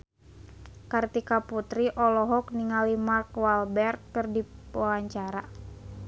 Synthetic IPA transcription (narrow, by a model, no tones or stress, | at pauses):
kart̪ikaput̪ɾiʔɔlɔɦɔk̚niŋalimarkwalbɛrt̪̚kərdiwawaɲt͡ʃaɾa